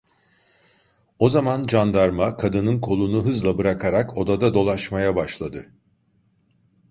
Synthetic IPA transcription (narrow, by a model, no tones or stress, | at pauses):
o̞zamand͡ʒand̪aɾmakʰad̪ɯnɯnkʰo̞lˠunuɦɯzlˠabɯɾakʰaɾakʰo̞d̪ad̪ad̪o̞lˠaʃmajabaʃlˠad̪ɯ